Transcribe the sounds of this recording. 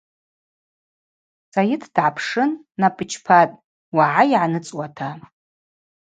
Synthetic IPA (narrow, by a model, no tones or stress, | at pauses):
sajɪtʰd̥ʕapʰʂɨnː | apʼɨt͡ʃʰpʰatʼ | waʕaiʕanɨt͡sʼwatʰa